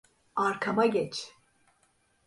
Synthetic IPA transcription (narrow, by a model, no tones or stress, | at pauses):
aɾkʰamaɟɛt͡ʃʰ